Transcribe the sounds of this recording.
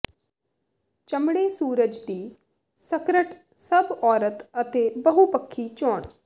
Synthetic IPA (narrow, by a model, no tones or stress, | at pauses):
t͡ʃəmɽeːsuːɾəd͡ʒd̪iː | səkɾəʈ | səbɔːɾət̪ət̪eːbəɦupəkʰːiːt͡ʃɔːɳ